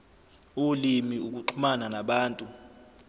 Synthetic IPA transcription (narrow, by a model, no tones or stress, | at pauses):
ulimiuk̬ʼuǃʰumananaɓaːntʼu